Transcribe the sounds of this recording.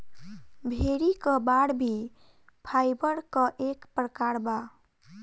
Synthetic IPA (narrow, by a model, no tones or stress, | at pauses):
bʱeɾikəbaɽbʱi | pʰajbəɾkəʔekpɾəkaɾba